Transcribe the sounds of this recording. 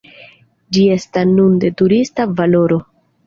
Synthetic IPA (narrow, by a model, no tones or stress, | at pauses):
d͡ʒie̞stasnunde̞tuɾistavalo̞ɾo̞